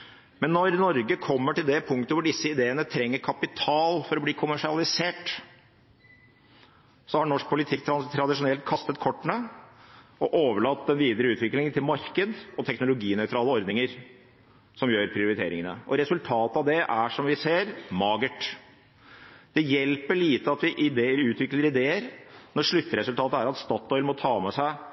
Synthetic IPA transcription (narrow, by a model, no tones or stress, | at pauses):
mɛnːɔɾnɔɾɡəkʰɔmːəʈɪld̪ɛpʰʊŋkt̪əʋʊɖɪsːəɪd̪eːənət̪ʰɾɛŋːəɾkʰɑpɪt̪ʰɑːlfɔɾɔbliːkʰʊmæʂɪɑlɪseːʈ | sɔhɑɳɔʂk̚pʰʊlɪt̪ʰɪkt̪ʰɾɑt̪ʰɾɑd̪ɪʂʊnɛlt̪̚kʰɑst̪ət̪̚kʰɔʈːɳə | ɔʔoːʋəɭɑt̪ːɛnʋiːd̪əɾəʉːt̪ʰʋɪklɪŋənt̪ʰɪlmɑɾkəd̪ɔt̪ʰɛknʊlʊɡiːnœʏt̪ɾɑːləɔɾd̪nɪŋəɾ | sɔmjøːɾpʰɾɪʊɾɪt̪ʰḛːɾɪŋənə̰ʔɔɾɛsʉlt̪ʰɑːt̪əɑʋd̪ɛʔæʂɔmʋɪseːɾmɑːɡəʈ | d̪̥ɛjɛlpəɭiːt̪əɑt̪ʋɪʔɪd̪eːɾʉːt̪ʰʋɪkləɾɪd̪eːəɾnɔʂɭʉt̪ːəɾɛsʉlt̪ʰɑːt̪əæɾɑt̪st̪ɑːt̪ːɔʏlmɔt̪ʰɑːmɛsæɪ